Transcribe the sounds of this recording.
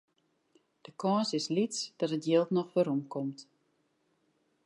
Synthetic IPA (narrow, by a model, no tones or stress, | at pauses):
d̥əkʰɔːsɪslitsd̥ɔtətjeːlˠtnɔχfəɾumkɔmt